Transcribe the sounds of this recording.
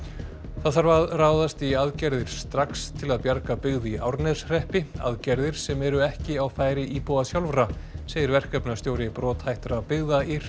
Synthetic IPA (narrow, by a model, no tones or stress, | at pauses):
θaðθaɾvaraːwðast̪iaðcɛɾðɪɾ̥st̪ɾakst̪ʰɪlaðpjaɾkapɪɣðiʔawɾnɛsrɛhpɪa̰ðcɛɾðɪɾ̥sɛmɛɾʏɛhcɪawfaːjɾɪʔipɔasjawlvɾaseːjɪɾvɛr̥kœpnast̪jowɾɪpɾɔːt̪hajht̪ɾapɪɣðaiɾ̥